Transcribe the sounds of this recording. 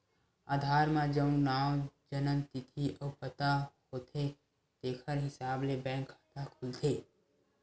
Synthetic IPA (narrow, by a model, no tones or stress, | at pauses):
aːd̪ʱaːɾmãd͡ʒəʊ̃nnaːwd͡ʒənə̃nt̪ɪt̪ʰiʔɔːpət̪ahoːt̪ʰe | t̪eːkʰəɾɦɪsaːblebɛ̃ːŋkət̪akʰʊlt̪ʰeː